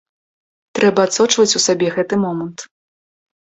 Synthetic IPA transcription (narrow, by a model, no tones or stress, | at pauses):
t̪ɾɛbɐːt̪sɔt͡ʂvɐt͡sʲusabʲɛɣɛt̪ɨmɔmɐnt̪